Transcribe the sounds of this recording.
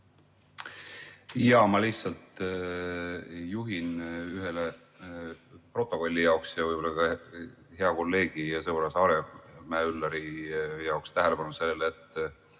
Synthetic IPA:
jɑmɑliçhtsɑlt̪ | juɦinyɦe̞le | pro̞t̪ːˑo̞ko̞lʲːijɑoksjɑvɯjbo̞lːɑkɑ | he̞ɑko̞lːe̞ːɡ̥ijɑseolɑsɑːɾemæːylːɑɾijɑokst̪æɦele̞pɑnuse̞lːelet̪ˑː

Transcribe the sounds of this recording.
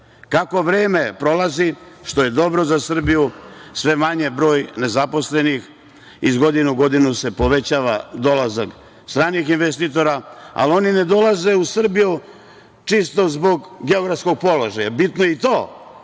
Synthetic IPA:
kako̞ʋɾe̞ːme̞pɾo̞laziʃt̪o̞je̞d̪o̞bɾo̞zasr̩bijusʋe̞maɲe̞bɾo̞ːjne̞zapo̞sle̞nix | izɡo̞d̪inuɡo̞d̪inuse̞po̞ʋe̞t͡ɕaːʋad̪o̞lazak | st̪ɾaːnixinʋest̪it̪̬o̞ɾaa̰lio̞nine̞d̪o̞lˠaze̞usr̩biju | t͡ʃist̪o̞zbo̞ɡɡe̞oɡɾavt̪sko̞ɡ̚po̞lo̞ʒajabit̪nojeit̪o̞ː

